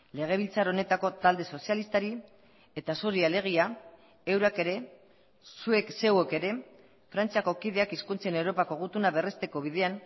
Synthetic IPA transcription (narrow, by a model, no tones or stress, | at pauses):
le̞ɣ̞e̞β̞ilt͡saɾo̞ne̞t̪ako̞t̪ald̪e̞so̞sialist̪aɾi | e̞t̪asoɾiale̞ɣ̞ia | ewɾake̞ɾe̞ | sue̞kse̞weke̞ɾe̞ | fɾant͡siako̞kiðe̞akiskunt͡sene̞wɾo̞pakoɣut̪unaβe̞re̞st̪e̞ko̞β̞ið̞e̞an